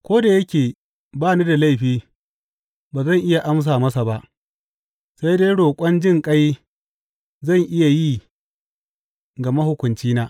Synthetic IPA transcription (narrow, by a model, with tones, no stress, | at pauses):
kʷoː˦da˨jɐ˦kʲeː˨ | baː˦˨niː˦da˨la˦˨ɸiː˦ | baː˨zɐ˦˨ŋʔɪ˦ja˨ʔa˦ms̬aː˨mɐ˦sa˨ba˦ʔ | sa˦jde˦jɽoː˨kʷʼɔ˦nd͡ʒɪ˦ŋkʼɐ˦j | zɐ˦˨ŋʔɪ˦ja˨ji˦˨ | ɡa˨mɐ˦hʊ˦kʷʊ˨nt͡ʃiː˦naː˦